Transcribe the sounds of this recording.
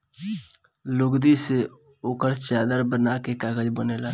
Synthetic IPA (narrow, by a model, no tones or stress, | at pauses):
lʊɡd̪ise | oːkəɾt͡ʃaːd̪əɾbənakekaːɡəd͡ʒbəneːla